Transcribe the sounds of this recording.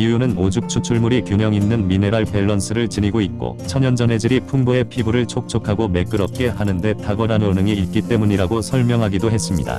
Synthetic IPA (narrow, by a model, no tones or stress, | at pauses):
iunɯnod͡ʑuk̚t͡ɕʰut͡ɕʰuɭmuɾikjuɲjʌŋinːɯnmine̞ɾaɭpe̞ɭːʌns͈ʰɯɾɯɭt͡ɕiɲiɡoitt̚k͈o̰t͡ɕʰʌɲʌnd͡ʑʌne̞d͡ʑɯɾipʰuŋboe̞pʰibuɾɯɭt͡ɕʰok̚t͡ɕʰokʰaɡome̞k͈ɯɾʌp̚k͈e̞ɦanɯnde̞taɡʌɾanonɯŋiːt̚k͈it͈e̞muɲiɾaɡosʰʌɭmjʌŋɦaɡidoɦes͈ɯmɲida̰